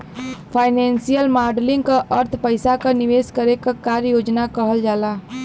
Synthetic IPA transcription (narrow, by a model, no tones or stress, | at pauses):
pʰaɪnensijəlmaːɾɖlɪ̃ŋɡkaʔəɾt̪ʰpəɪsakəniʋeːskəɾekakaɾjoːd͡ʒnakəɦəld͡ʒaːla